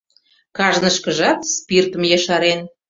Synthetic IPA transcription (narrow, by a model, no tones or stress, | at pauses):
kɑʒnəʃkəʒɑt̪spirt̪əmjɑʃɑɾen